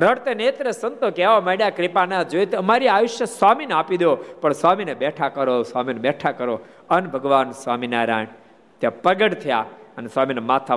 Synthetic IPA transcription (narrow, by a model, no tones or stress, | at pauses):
ɾəɽt̪enet̪ɾesənt̪okeʋameɽjakɾipanad͡ʒojt̪eəmaɾiaːʋʊʃjəswaːminaːpid̪jopəɳsamineɓɛʈʰakəɾosaːmineɓɛʈʰakəɾo | ənbʱəɡʋaːnsʋaːminaːɾa̰ːɳ | t̪japəɡəɽt̪ʰəja̰ənesaːminemaːt̪ʰa